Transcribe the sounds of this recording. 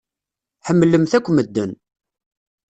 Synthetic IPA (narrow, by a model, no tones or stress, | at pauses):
ħəmːləmθækʷːməd̪ːən